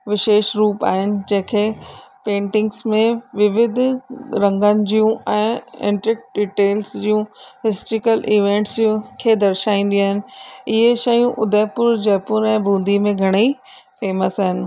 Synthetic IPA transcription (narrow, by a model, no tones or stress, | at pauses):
ʋɪʃeːʃɾuːpa̰ːɦɪnɪ̆d͡ʑɐ̃ɦɪ̃kʰeːpẽːɳʈɪ̃ŋɡsmẽʋɪʋɪd̪ʱɾɐ̃ŋɡənɪ̆d͡ʑiːũɛ̃ːɪ̰̃ːɳʈɾɪk̚ɖiːʈeːlsd͡ʑijũɦɪsʈɾɪkəlʔiːʋẽːɳʈsd͡ʑiũkʰeːd̪ɐɾʃaːĩːn̆d̪ĩaːɦɪnɪ̆ɪɦeʃɐjũʔʊd̪ʱeːpʊɾd͡ʑɛːpʊɾɛ̃ːbʱũːnd̪ʱimẽɡʱɐɽ̃ei | feːməsaːɦɪnɪ̆